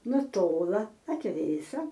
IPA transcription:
nʊˈtoːlˠɐ ɐtʲˈʋʲeːsɐ

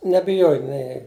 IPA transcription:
nʲɛbʲɪˈjoːj nʲɛɪ

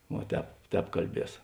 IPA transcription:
ʋuɔ ˈtʲɛːp ˈtʲɛːp kɐlʲˈbʲiɛs

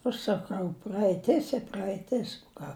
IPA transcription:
ɐʃ sɐˈkɐʊ prɐɛɪˈtʲɪs ɪ prɐɛɪˈtʲɪs ʊ ˈkɑː

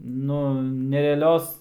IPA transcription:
ˈnʊ nʲɛrʲɛɐˈlʲoːs

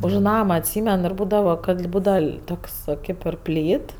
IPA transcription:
ʊʃ ˈnɑːmɐ ɐtʲˈsʲiːmʲɛn ɪr ˈbuːdɐʋɐ kɐt ˈbuːdɐʋɐ ˈtoːks ˈkɐɪp ɪr ˈpʲlʲiːt

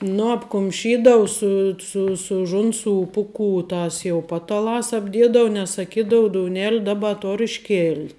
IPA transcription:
ˈnʊ ɐpkʊmʲˈʃʲiːdɐʊ ˈsʊ sʊ sʊ ˈʒʊnˌsuː ˈpʊˌkuː ˈtɐs jɛʊ ˈpɑːtɐˌlˠɑːs ɐbʲˈdʲiɛdɐʋʊ nʲɛs sɐˈkʲiːdɐʊ doːʊˈnʲæːlʲɪ ˈdɑːˌbɐ ˈtoːr ɪʃʲˈkʲeːlʲtʲ

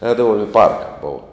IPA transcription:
ˈɛːdɐʋʊm ɪ pɐrk boːw

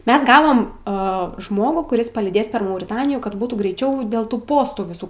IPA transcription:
ˈmʲɛs ˈɡɑːʋoːm ɐ ˈʒmoːɡuː kʊˈrʲɪs pɐlʲiːˈdʲeːs pʲɛr mɐʊrʲɪˈtɑːnʲɪjuː kɐt ˈbuːtuː ɡrʲɛɪˈt͡ʃʲɛʊ dʲeːlˠ ˈtuː ˈpoːstuː ʋʲɪˈsuː

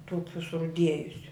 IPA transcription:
ˈtʊkʲuː sʊrʊˈdʲiɛjʊsʲʊ

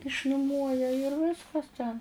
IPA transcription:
ɪʃnʊˈmuɔjɛ ɪr ˈʋʲɪskɐs tʲɛn

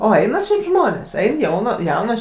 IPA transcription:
ˈoː ˈɛɪnɐ ʃʲɛɪp ˈʒmoːnʲeːs ˈɛɪn ˈjɛʊnɐ ˈjɛʊnoːs

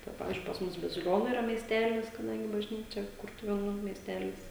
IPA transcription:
tɐɪ ˈpɑːʋʲɪzʲd͡ʒʲʊɪ pɐs ˈmʊs bɐzʲɪˈlʲoːnʊ ɪˈrɐ mʲiɛsʲˈtʲæːlʲɪs kɐˈdɐŋʲɡʲɪ bɐʒʲˈnʲiːt͡ʃʲɛ ˈkʊrtʊʋʲeːnuː mʲiɛsʲˈtʲæːlʲɪs

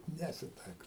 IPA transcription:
ˈnʲæːsʲɪtɐɪkɐʊ

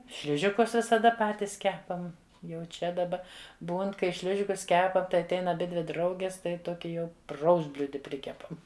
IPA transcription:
ˈʃʲlʲɪʒʲɪkʊs ʋʲɪsɐˈdɐ ˈpɑːtʲɪs ˈkʲæːpɐm jɛʊ ˈt͡ʃʲɛ dɐˈbɐ ˈbuːn kɐɪ ˈʃʲlʲɪʒʲɪkʊs ˈkʲæːpɐm tɐɪ ɐtʲˈɛɪn ɐˈbʲɪdʲʋʲɪ ˈdrɐʊɡʲɪs tɐɪ ˈtoːkʲɪ jɛʊ ˈprɐʊzʲdʲbʲlʲʊdʲɪ ˈpʲrʲɪkʲɛpɐm

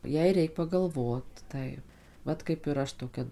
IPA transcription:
ˈjɛɪ ˈrʲɛɪk pɐɡɐlˠˈʋoːt ˈtɐɪp ˈʋɐt kɐɪp ɪr ˈɐʃ toːˈkʲɛ

